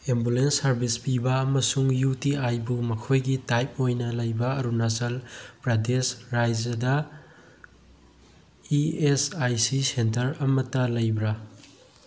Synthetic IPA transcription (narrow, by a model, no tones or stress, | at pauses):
embulensːɐɾbʱispibɐːmɐsuŋjutiajbumɐkʰojɡitajp̚ojnɐlɐjbɐɐɾunasɐlpɾadesɾajd͡ʒɐdɐ | iesajsisentɐɾɐmɐtːɐlɐjbɾɐ